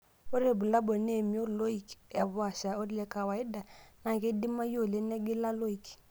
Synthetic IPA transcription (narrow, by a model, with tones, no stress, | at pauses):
o˦ɾe˦˨bu˨la˦bɔ˨ne˦˨mi˦o˦lo˦i˨ka˨bʊ˦a˨ʃa˨o˦dlɛ˦ka˨wa˨ɪ˦da˨na˨ke˦di˦ma˦jo˦˨le˦nɛ˦ɡɪ˦la˦lo˦i˨k